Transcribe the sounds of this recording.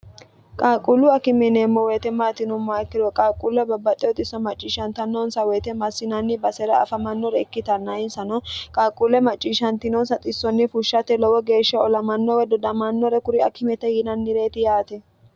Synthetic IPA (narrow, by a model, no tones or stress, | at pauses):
kʼaːkʼʊlːʊɐkɪmɛneːmːɔweːt̪ɛmaːt̪ɪnʊmːaɛkːɪɾɔkʼaːkʼːulɔbɐbːɐt̪ʼɪɔt̪ʼɪsːɐmɐt͡ʃʼːiːʃɐnt̪ɐnːɔnsɐweːt̪ɛmɐsːɪnɐnːɪbɐsɛɾɐɐ̰fɐmɐnːɔɾɛɪkːɪt̪ɐnːɐɪnsɐnɔkʼaːkʼːulɛmɐt͡ʃʼːiːʃɐnt̪ɪnɔnsɐt̪ʼɪsːɔnːɪfʊʃːɐt̪ɛlɔwɔɡe̞ːʃːɐɔlɐmɐnːɔwɛd̪ɔd̪ɐmɐnːɔɾɛkʊɾɪɐkɪmɛt̪ɛjɪnɐnːɪɾe̞ːt̪ɪjaːt̪ɛ